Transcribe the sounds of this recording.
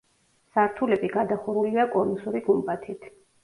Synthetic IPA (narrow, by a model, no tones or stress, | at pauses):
saɾt̪ʰulɛbiɡad̪aχuɾuliakʼɔnusuɾiɡumbat̪ʰit̪ʰ